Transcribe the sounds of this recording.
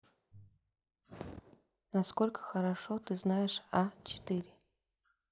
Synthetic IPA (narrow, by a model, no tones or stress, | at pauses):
nɐskolʲkə̥xəɾɐʂot̪ɨznajɪʂat͡ɕɪ̥t̪ɨɾʲɪ